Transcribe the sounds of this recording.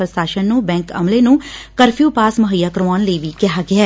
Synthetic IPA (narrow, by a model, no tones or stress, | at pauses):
ɾəst̪aːʃənːũbɛ̃ːŋkə̰mlenũːkəɾpʰjuːpaːsməɦəjːaːkɾmaːnləiʋiːkɛɦaːɡɪaː